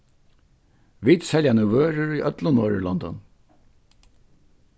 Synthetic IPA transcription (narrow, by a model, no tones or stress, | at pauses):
ʋit̪sɛljanʉʋøːɾʏɹiʔœt̪lʊnvɔːɹɪ̰lɔnd̪ɔ̰n